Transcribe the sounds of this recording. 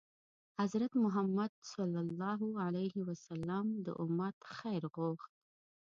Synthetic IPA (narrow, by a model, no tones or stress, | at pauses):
hazɾat̪mʊɦamːad̪̚sɑlːɑlːɑɦualajhiwasalːamd̪ə̰ʔʊmat̪xajɾɣoxt̪̚